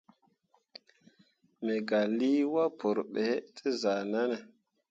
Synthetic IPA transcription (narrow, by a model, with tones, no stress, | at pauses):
me˨ɡa˨li˦wa˦pʰo˨ɾɓe˨˦tʰi˦za˨na˦na˨